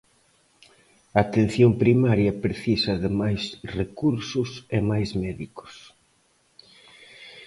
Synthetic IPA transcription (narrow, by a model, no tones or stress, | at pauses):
ɐːt̪ẽn̟θjompɾimaɾjɐpɾeθisɐðɪmajsrekuɾsʊsemajzmɛðikʊ̥s